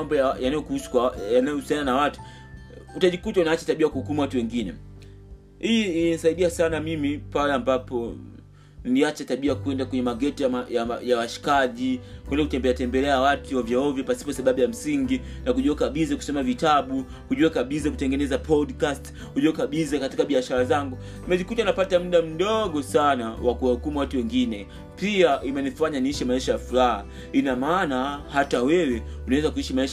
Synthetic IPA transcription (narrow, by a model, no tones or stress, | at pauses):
ambɔjajanajɔkuhusu̥kwaanajɔhusiananawatu̥ | utaʄikutaunaat͡ʃataɓiakuhukumuwatuwɛŋɡinɛ | hiiiinisaiɗiasanamimipalɛambapɔ | nnliat͡ʃataɓiakuɛndakwɛɲɛmaɡɛtiaajajawaʃi̥kaʄikwɛndakutɛmbɛɛatɛmbɛlɛawatuwavjaɔvjɔpasi̥pɔsaɓaɓujam̩siŋɡinakuʄuakaɓizaku̥sɔmavitaɓu | huʄuɛkaɓizakutɛŋɡɛnɛzapɔdkast | huʄuɛkaɓizakatikaɓiaʃaɾazaŋɡu | imɛʄikutanapatam̩ɗam̩ɗɔɠɔsanawakuwahukumuwatuwɛŋɡinɛ | piaʔimɛnifaɲaniiʃɛmaiʃajafuɾaha | inamaːnahatawɛwɛunawɛzakuiʃimaiʃ